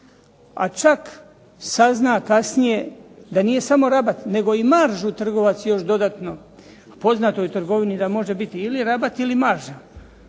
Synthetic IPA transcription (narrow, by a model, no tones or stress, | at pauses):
a̰t͡ʃak | saznakasnije̞d̪anije̞samo̞ɾabat̪ne̞ɡo̞imaɾʒut̪r̩ɡo̞ʋat̪sjo̞ʃd̪o̞d̪at̪no̞ | po̞znat̪o̞jut̪r̩ɡo̞ʋinid̪amo̞ʒe̞bit̪iːliɾabat̪ilimaɾʒa